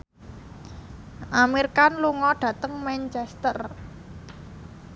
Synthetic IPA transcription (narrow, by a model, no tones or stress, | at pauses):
ʔamirkanluŋɔɖ̪̥ä̤t̪əŋmɛnt͡ʃɛst̪ər